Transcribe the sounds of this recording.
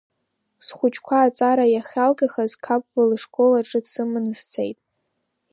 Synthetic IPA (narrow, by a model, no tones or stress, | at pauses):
sχʷʊt͡ʃʰkʷʰaːt͡sʼaɾajaχʲalɡaχazkʰap̚ʼbɨlʂkʼolaʈ͡ʂʼɨdsɨmɨnz̥t͡sʰḛjtʼ